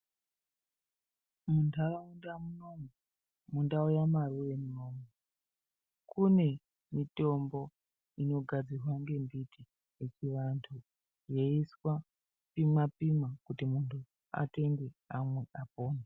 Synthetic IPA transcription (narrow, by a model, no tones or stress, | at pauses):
muntʰaraundamunome | mundaujamaruʋe̞muno̞ːmwe | kune̞ | mito̞mbo̞ | ino̞ɡʱad͡zirwaŋɡe̞mbitʰi | et͡ʃiʋantʰu | je̞iswa | pimapimakutimuntʰu | a̰te̞ŋɡe̞ɦamwe̞ʔapoːna